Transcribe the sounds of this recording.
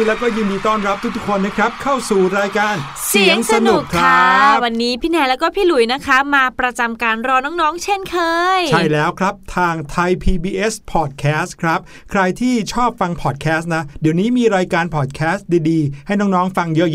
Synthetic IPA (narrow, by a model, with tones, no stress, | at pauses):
lɛː˦˥wkɔː˥˩juː˧ndiː˧t̪ɔː˥˩nɾa˦˥p̚t̪ʰu˦˥k̚t̪u˥kʰo˧nːa˦˥kʰɾa˦˥p̚kʰa˥˩wsuː˨˩ɾaː˧jkaː˧n | si˨˩˦əŋsa˧nu˨˩kʰɾʰaa˦˥wa˧nːiː˦˥pʰiː˦˥nɛː˧˩lɛː˦˥wkɔː˥˩pʰiː˥˩lu˨˩˦jna˦˥kʰa˦˥maː˧pɾa˧t͡ɕa˧mkaː˧nɾɔː˧nɔː˦˥ŋnɔː˦˥ŋt͡ɕʰe˥˩nkʰɤː˧jt͡ɕʰa˥˩jlɛː˦˥wkʰɾa˦˥p̚t̪ʰaː˧ŋt̪ʰa˧jpʰiː˧biː˧ʔe˦˥spʰɔː˨˩t̪̚kʰɛː˦˥skʰɾa˦˥p̚ | kʰɾa˧jt̪ʰiː˥˩t͡ɕʰɔː˥˩p̚fa˧ŋpʰɔː˨˩t̪̚kʰɛː˦˥st̪̚na˦˥di˨˩əwniː˦˥miː˧ɾaː˧jkaː˧npʰɔː˨˩t̪̚kʰɛː˦˥stdiː˧diː˧ha˥˩jnɔː˦˥ŋnɔː˦˥ŋfa˧ŋjɤ˦˥ʔj